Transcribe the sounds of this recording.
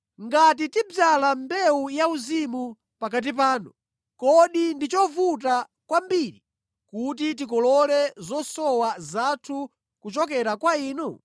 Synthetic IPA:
ŋɡatitib͡ʐalambɛujauzimu | pakat̬ip̬aːnṵ | kɔɗindit͡ʃɔvut̬a | kwambiɾi | kut̬it̬ikɔlɔlɛzɔsɔwazatʰu | kut͡ʃɔkɛɾakwaiːnu

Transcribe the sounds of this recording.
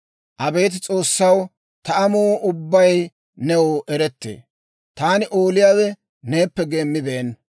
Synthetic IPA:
ʔɐbe̞ːt̪̬ɪt͡sʼo̞ːsːɐw | t̪ɐɐmoːʔʊbːɐj | nɛwoʔɛɾɛt̪ːḛː | t̪aːnɪʔoːlɪjaːwɛ | ne̞ːpːɛɡe̞ːmːɪbeːn

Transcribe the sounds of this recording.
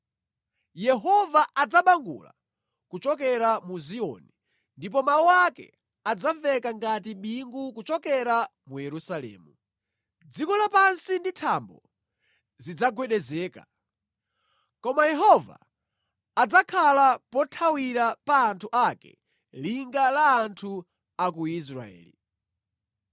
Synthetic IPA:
jɛɦɔvaʔad͡zaɓaŋɡṵla̰ | kut͡ʃɔkɛɾamuziɔ̰ni | ndip̬ɔmawuwakɛ̰ | ad͡zaɱvɛkaŋɡatiɓiŋɡukut͡ʃɔkɛɾamujɛɾusalɛ̰ːmu | d͡zikɔlapansinditʰambɔ | zid͡zaɡwɛɗɛzɛːka̰ | kɔmajɛɦɔva̰ | ad͡zakʰalapɔtʰawiɾapaːntʰuʔakɛ̰ | liŋɡalaːntʰu | akuis̬ɾa̰ɛ̰ːli

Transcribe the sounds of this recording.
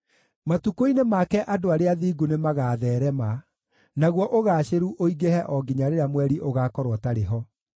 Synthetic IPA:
matukoinemakɛʔadoaɾeaðiːɡonemaɣaːðɛːɾɛma | naɣwɔʔoɣaːɕeɾuʔoiɡehɛʔɔɡiɲaɾeɾamwɛɾiʔoɣakɔɾwɔtaɾeɦɔ

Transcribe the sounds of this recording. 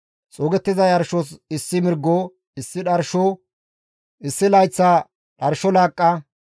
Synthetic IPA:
t͡sʼoːɡɛt̪ːɪzɐjɐɾʃosɪsːɪmɪɾɡːo | ɪsːɪᶑɐɾʃo | ʔɪsːɪlɐjt͡sːaː | ɗɐɾʃɔlaːkʼːɐ

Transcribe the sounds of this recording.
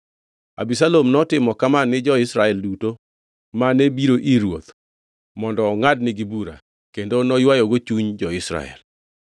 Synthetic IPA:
a̰bisalomnɔtɪmɔkamanɪd͡ʒɔɪsɾaɛlduto | manebiɾoʔiɾwo̰t̪ | mɔndɔːŋadnɪɡibuɾa̰ | kendonɔjwajoɡot͡ʃuɲd͡ʒɔɪsɾa̰ɛ̰l

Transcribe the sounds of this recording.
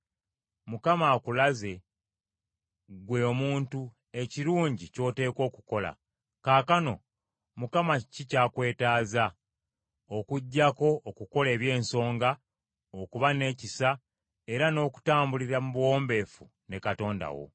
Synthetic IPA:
mukamakulaze̞ | ɡwe̞omuːntu | e̞ciɾuːɲɟico̞ːte̞ːko̞ːku̥ko̞la̰ | kaːkano̞̰ | mukamacicaːkwe̞ːtaːza | o̞kuɟːako̞ːkuko̞le̞ːβje̞ːnso̞ːŋɡa | okuβane̞ːcisa | e̞ɾano̞ːku̥taːmbuliɾamuβwo̞ːmbe̞ːfu | ne̞kato̞ːnda̰wo̰

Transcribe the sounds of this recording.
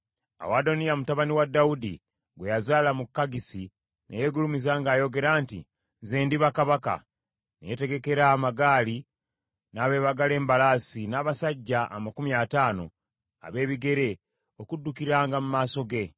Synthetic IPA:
a̰wado̞nijamutaβaniwadːaudḭ | ɡwe̞jazaːlamukːaɡisi | nʔḛje̞ɡulumizaːŋɡaːjo̞ɡe̞ɾaːntḭ | zeːndiβakaβaka̰ | nḛjete̞ɡe̞ke̞ɾaːmaɡaːli | naːβe̞ːβaɡale̞ːmbalasinaːβasaɟːaʔːmakumiataːno̞ | a̰βe̞ːβiɡe̞ɾe̞ | o̞kudːukiɾaːŋɡamumaːso̞ɡe̞

